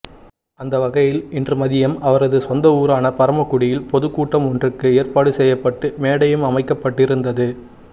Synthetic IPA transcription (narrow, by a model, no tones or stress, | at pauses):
ɐnd̪ɐʋɐɣɐjɪlɪndrɯmɐðɪjɐmɐʋɐɾɐðɯsɔnd̪ɐuːɾaːnɐpɐɾɐmɐkːʊɽɪjɪlpɔðɯkːuːʈːɐmɔndrɯkːɯeːɐɾpaːɽɯsɛjːɐpːɐʈːɯmeːɽɐjɯmɐmɐɪkːɐpːɐʈːɪɾɯnd̪ɐðɯ